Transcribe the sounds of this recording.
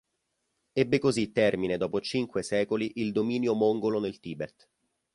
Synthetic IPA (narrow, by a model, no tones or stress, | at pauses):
ɛbːekozit̪ːɛrmined̪ɔːpot͡ʃiŋkwesɛːkoliʔild̪omiːnjomoŋɡolonelt̪iːbet̪